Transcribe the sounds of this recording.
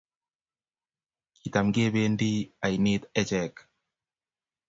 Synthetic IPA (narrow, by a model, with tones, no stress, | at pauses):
ki˨t̪a˨mŋɡe˦βe˦ndi˦a˨ini˦t̪ɛ˦t͡ʃɛ˨k